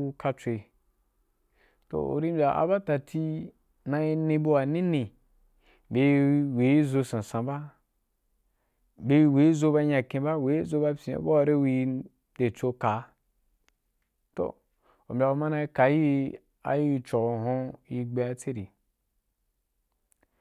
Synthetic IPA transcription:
u˧ka˧t͡sʷe˧ | to̰˨o̰˨ɾi˦m˦bʲa˨ʔa̰˨ba˦ta˨tʰi˦ | na˧i˧nẽ˧bo˦wa˨nĩ˦nẽ˨ | be˨˦we˨˦i˦zo˧sã˨sã˨ba˦ | be˦˧i˦we˨˦zo˧ba˧ɲa˨kẽ˧ba˦we˨˦i˦zo˧ba˧sḭ̃˨˦bo˦wa˨ɾe˦wi˧˦ | de˨t͡so˧ka˨˦ | to̰˨ | o˨mʲ˨a˨˧o˧ma˦na˧i˦ka˨˦ji˦ | a̰˨ji˦˧t͡ʃo˨o˨ɦõ˧ji˧ɡ͡be˧a˧˦t͡se˦ɾi˨

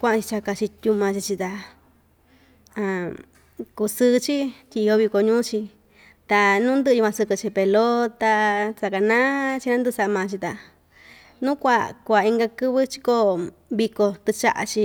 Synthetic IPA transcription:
kʷã˦ʔã˧t͡ʃi˧t͡ʃa˧ka˧t͡ʃi˧t̪ʲu˧mã˧t͡ʃi˧t͡ʃi˧t̪a˧ | ã˧˨ | ku˧sɨ˧t͡ʃi˦t̪ʲi˧˨˧o˧βi˧ko˧ɲũː˦t͡ʃi˧ | t̪a˧nũ˦nd̪ɨ˦˧ju˧kʷã˧sɨ˧kɨ˧t͡ʃi˧pe˧lo˦t̪a˧t͡sa˧ka˧˨nã˦t͡ʃi˧nã˦nd̪ɨ˧sa˧ʔmã˨˧t͡ʃi˧t̪a˨ | nũ˦kʷa˧kʷa˨i˧ŋɡa˧kɨ˦βɨ˦t͡ʃi̥˧ko˧ | βi˧ko˧t̪ɨ˧t͡ʃa̰˦˧ʔa̰˧t͡ʃi˧

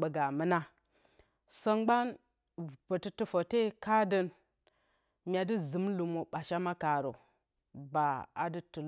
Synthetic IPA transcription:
ɓə˨ɡa˨mə˦na˦ | sə˦ŋɡ͡ba˦n | bə˨tɨ˦tu˦fo˨te˦ka˦də˦n | mʲa˨di˦zɨ˨˦mlu˨mo˨ɓa˨ʃa˦ma˦ka˨ɾo̰˨ | ba˨a̰˨dɨ˦tu˨l

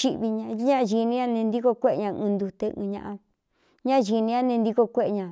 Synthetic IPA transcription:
ʃi˦˧ʔβi˧ɲã˧˦ɲã˦˧ʒi˧nĩ˦ɲã˦˧nẽ˧nd̪i˦ko˧kʷe˦ʔe˧ɲã˧ɨ̃˧nd̪u˧t̪e˧ʔɨ̰̃ː˧ɲã̰˧ʔa˧ | ɲã˦˧ʒi˧nĩ˧˦a˦˧nẽ˧nd̪i˧ko˧kʷe˦ʔɲã˨

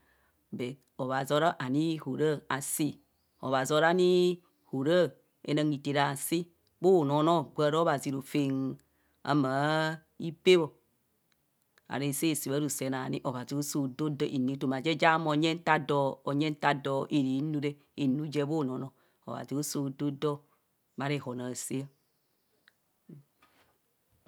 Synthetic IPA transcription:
bɛ˨ | o˨βa˨zo˦ɾa˦ʔa˨ni˦ho˨ɾa˦a˨si˦ | o̰˨βa˨zo˦ɾa˦ni˦ | ho˨ɾa˦˨ | ḛ˨na˨ŋɡi˨te˨ɾa˨si˦ | bo˦˨no˨˦no˦˨ɡʷa˨ɾo˦βa˨zi˨ɾo˨fe˨ŋ | a̰˨˦maː˨˦ | i˦pe˦βo˨ | a̰˨ɾe˨se˦˨si˨βa˦ɾu˨sɛ˨na˨nḭ˦ʔo˨βa˨zi˨o˦so˨do˦do˦ʔi˨ni˨˦to˨ma˨d͡ʒɛ˦d͡ʒa˦mo˨˦ɲɛ˦n˦ta˦dɔ˨o˨ɲɛ˦n˦ta˦dɔ˨ʔe˨ɾi˨˦nu˦ɾe˦ | e˨nu˦d͡ʒɛ˦bo˦˨no˨no˨ | o̰˨βa̰˨zi˨o˦so˨do˦do˦ | ba˦ɾe˦˨ho˨na˨si˦a˦˨

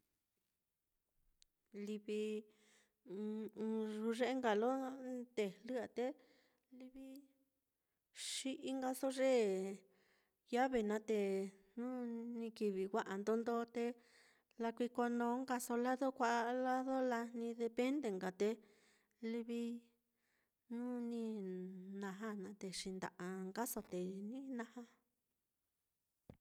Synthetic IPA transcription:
li˧βi˧ | ʐu˧ʐe˦ʔe˦ŋɡa˨lo˦d̪̥e˧˨lɨ˦a˨t̪e˧ | li˧βi˧ | ʃi˦˧ʔi˧˦ŋɡa˧so˦ʐe˦ | ja˦βe˨nã˨˧t̪e˧nũː˦nĩ˧ki˧βi˨wʷa˧ʔa˨nd̪o˧nd̪o˧˦t̪e˧ | la˧kʷi˧ko˧nõː˧˦ŋɡa˧so˧la˦ðo˦kʷa˦ʔa˦˧la˦ðo˦la˧nĩ˧ðe˧pe˦nd̪e˧˨ŋɡa˨t̪e˧ | li˧βi˧ | nũ˦nĩ˧nã˧ɦã˦nã˨˧t̪e˧ʂi˧nd̪a̰˨ʔa˧ŋɡa˦so˧t̪e˨nĩ˦nã˧hã˦

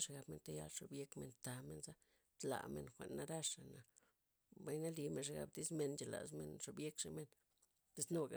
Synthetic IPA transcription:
ʂa˧ɡa˧bme˧nt̪a˦ja̰˧lʂo˧bje˦kme˧nt̪a˧me˧nza˦ | t̪la̰˨mḛ˧nxʷḛ˨nːa˦ɾa˦ʂa˨na˨ | ba˦jna˦li˧me˧nʂ̬a˧ɡa̰˧bd̪i˦sme˧nt͡ʃe˨la̰˨smḛ˧nʂo˨bje˦kʂe˧me˧n | t̪e˧sno˦ɡa̰˨

